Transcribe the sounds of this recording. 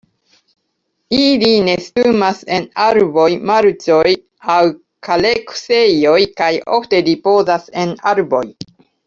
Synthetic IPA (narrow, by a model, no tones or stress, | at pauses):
iline̞stumase̞naɾbo̞jmaɾt͡so̞j | aw | kalekse̞jo̞jkajo̰fte̞dipo̞zase̞naɾbo̞j